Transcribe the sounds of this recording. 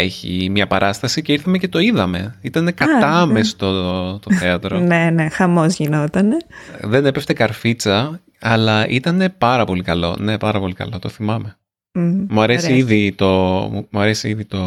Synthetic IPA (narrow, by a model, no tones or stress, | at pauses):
e̞çḭmɲɐpɐɾʔɐst̪ɐsiceiɾθɐmece̞t̪o̞iðɐme̞̰it̪ɐne̞kɐt̪ɐmest̪ot̪oθeɐt̪ɾone̞ne̞xɐmozʝinot̪ɐneðe̞ne̞peft̪e̞kɐɾfit͡sɐ | ɐlɐʔit̪ɐne̞pɐɾɐpo̞likɐlo̞̰ne̞pɐɾɐpo̞likɐ̰lo̞t̪o̞θimɐme̞ | muɐɾesiiðit̪o̞umuɐɾesiiðit̪o̞